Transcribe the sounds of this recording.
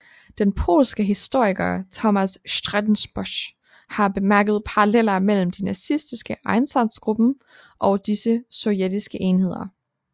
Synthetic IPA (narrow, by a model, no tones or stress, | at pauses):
d̥enpʰo̝̰ːlsɡ̥əɦisd̥o̝ɐ̰iɡ̥ɐt͡sʰɒmæsʃd̥ʁad̥n̩sb̥ɔɕ | hɑ̈b̥e̝mæɐɡ̥əð̞̩ˠpʰɑ̈ɑlel̰ɐmel̰m̩d̥inɑsisd̥isɡ̥əʔɑ̈ɪnsænsɡ̥ʁub̥n̩ | ʔɒ̽d̥isəsɒ̽ʊjed̥isɡ̥əʔe̝ːnhe̝ð̞̰ˠɐ